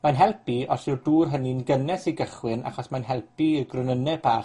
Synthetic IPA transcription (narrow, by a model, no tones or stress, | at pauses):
manɦɛlˠpiɔɬɪrduːrɦəninɡənɛsiɡəχwɪna̰χɔsmanɦɛlˠpiirɡrʊnənɛb̥aː